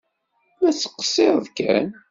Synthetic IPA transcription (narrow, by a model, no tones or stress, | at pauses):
mæt͡sːə̥qːə̥sˤːeɾˤðkæ̰n